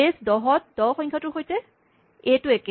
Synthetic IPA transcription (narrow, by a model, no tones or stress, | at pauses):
esdɔɦɔt̚dɔwxɔ̃ɲkʰatʊɹxojtɛ | etʊek